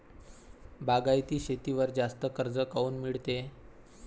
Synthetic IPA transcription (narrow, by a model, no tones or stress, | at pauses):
baɡajt̪iːɕet̪iʋəɾd͡zast̪əkəɾd͡zəkauːnmiɭt̪e